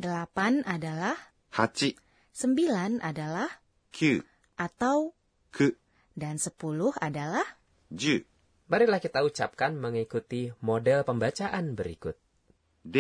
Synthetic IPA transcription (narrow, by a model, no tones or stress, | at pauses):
dəlapanʔadalah | hat͡ʃi | səmbilanʔa̰dalah | kʰu | ʔat̪aw | kʰə | dansəpulʊhadalah | d͡ʒu | baɾɪklahkit̪aut͡ʃap̚kanməŋikut̪imodɛlpəmbat͡ʃaʔanbəɾḭkʊt̪̚ | d